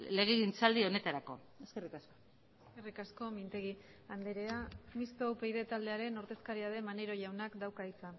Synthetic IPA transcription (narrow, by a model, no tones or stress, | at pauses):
le̞ɣ̞eɣint͡sald̪io̞ne̞t̪aɾako̞̰ | eske̞rikasko̞ | eskerikasko̞mint̪e̞ɣ̞i | and̪eɾeamist̪owpejðe̞t̪ald̪e̞aɾe̞no̞ɾt̪e̞skaɾiað̞e̞mane̞ɾo̞ʝawnakd̪awkait͡sa